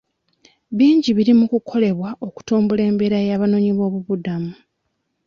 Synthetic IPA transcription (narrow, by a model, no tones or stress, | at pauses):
βiːɲɟiβiɾimukukʰo̞le̞βwaʔo̞ku̥tuːmbule̞ːmbeɾajaːβano̞ɲiβo̞ːβuβudamu